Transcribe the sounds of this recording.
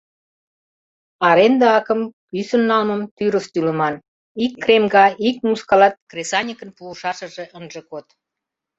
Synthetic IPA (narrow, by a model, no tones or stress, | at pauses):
ɑɾend̪ɑɑkə̆mkysənːɑlməmt̪yɾəst̪ylə̆mɑn | ikːremɡɑʔik̚muskɑlɑt̪̚kresɑnʲikənpuəʃɑʃə̆ʒeʔənʒekot̪